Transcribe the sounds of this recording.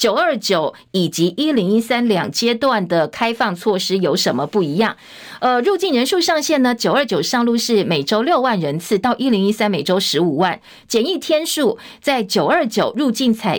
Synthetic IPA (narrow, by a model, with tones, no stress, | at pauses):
t͡ɕjo˨˩ʊə˞˥˩t͡ɕjo˨˩˦ʊ | i˨˩t͡ɕi˧˥ʔi˥li˧˥ŋi˥sa˥nljɑ˨˩ŋt͡ɕjɛ˥t̪wa˥˩nd̪ə˩kʰa˥ɪfɑ˥˧ŋt͡sʰwɔ˥˩ʂɻ̩˥jo˧˥ʊʂə˧˥nmə˧pu˥˩i˧˥jɑ˥˩ŋ | ə˧ɻu˥˧t͡ɕi˥˩nɻə˧˥nʂu˥˧ʂɑ˥˧ŋɕjɛ˥˩nə˩t͡ɕjo˨ʊə˞˥˩t͡ɕjo˨˩ʊʂɑ˥˧ŋlu˥˧ʂɻ̩˥˩me˨˩ɪʈ͡ʂo˥ʊljo˥˧ʊwa˥˩nɻə˧˥nt͡sʰɹ̩˥˧t̪ɑ˥˩ʊʔi˥li˧˥ŋi˦˥sa˥nme˨˩ɪʈ͡ʂo˥ʊʂɻ̩˧˥u˨˩wa˥˩n | t͡ɕjɛ˨˩ni˥˩t̪ʰjɛ˥nʂu˥˩ | t͡sa˥˩ɪt͡ɕjo˨˩ʊə˞˥˩t͡ɕjo˨˩ʊɻu˥˧t͡ɕi˥˩nt͡sʰa˨˩ɪ